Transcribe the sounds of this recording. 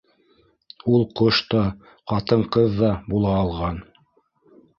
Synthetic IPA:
ulˠqoʃt̪ɑ | qɑt̪ɤɴqɤðːɑbulˠɑːlˠʁɑn

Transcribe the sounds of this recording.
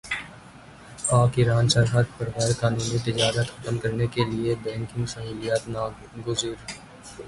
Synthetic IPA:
aːkɪɾaːnsəɾɦat̪pɐɾɣɛːɾkaːnuːnit̪ɪd͡ʒaːɾət̪xɐt̪əmkɐɾnekeliebɛ̃ːŋkĩsaːɦʊːlijaːt̪na | ɡʊzɪɾ

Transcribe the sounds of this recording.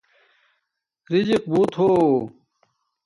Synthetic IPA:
ɾid͡ʑiq̚buːt̪ɦoː

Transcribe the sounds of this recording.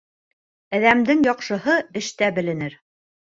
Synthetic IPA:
æðæmd̪ɘŋjɒqʃɤ̆ɦɤɘ̆ʃt̪æbɘ̆lɘ̆nɘɾ

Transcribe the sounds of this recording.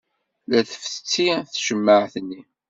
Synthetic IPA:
læθə̥ft͡sːiθʃəmːəʕθənːi

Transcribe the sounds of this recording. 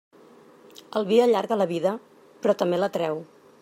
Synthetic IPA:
əlˠβiəʎaɾɣələβiðə | pɾɔt̪əmbelət̪ɾɛw

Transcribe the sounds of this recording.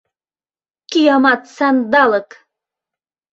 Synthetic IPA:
kijɑmɑt̪sænd̪ɑlɤk

